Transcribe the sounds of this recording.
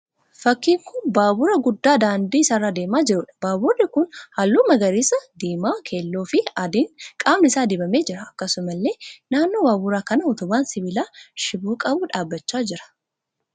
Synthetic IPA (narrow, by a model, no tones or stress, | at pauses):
fɐkːiːŋkʊnbaːbʊɾɐɡʊd̪ːaːd̪aːnd̪iːsɐrːad̪eːmaːd͡ʒɪɾʊᶑɐ̥baːbʊrːɪkʊnhɐlːuːmɐɡɐɾisɐd̪iːmaːkʰe̞ːlːo̞ːfɪɐd̪iːŋkʼaːmnɪsaːd̪ɪbɐme̞ːd͡ʒɪɾɐɐkːɐsʊmɐlːe̞ːnaːnːoːbaːbʊɾaːkɐnɐɔt̪ʊmaːnsɪbɪlaːʃɪbuːkʼɐbuːᶑaːbːɐt͡ʃːaːd͡ʒɪɾɐ̥